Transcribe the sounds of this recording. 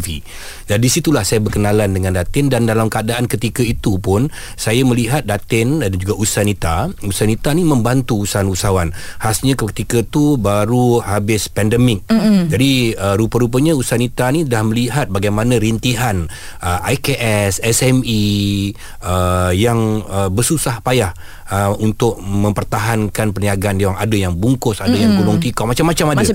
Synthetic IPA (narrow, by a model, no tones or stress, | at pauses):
vi | d͡ʒadisit̪ulahsajabərkənalandəŋãndat̪ɪndandalamkəadaʔankət̪ikait̪upʊn | sajaməliɦat̪̚dat̪ɪndand͡ʒuɡausanit̪ausanit̪animə̃mbant̪uːsaanusawanhasɲãkət̪ikət̪ubaɾuhabɪspɛndəmɪk̚d͡ʒadiəɾupəɾup̬əɲãusaanit̪anidahməliɦat̪̚baɡajmãnãɾint̪iɦan | ʔəʔajkeʔɛsɛsɛmi | əjaŋəbərsusahpajah | əunt̪ʊk̚mə̃mpərt̪aɦankanpəniaɡandewaŋadajaŋbuŋkʊsadajaŋɡulɔŋt̪ikɔmat͡ʃamːat͡ʃamada